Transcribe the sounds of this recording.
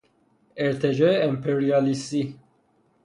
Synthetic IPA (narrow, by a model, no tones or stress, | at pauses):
eɾt̪ʰed͡ʒɔeɛmpʰeɾiɑlist̪i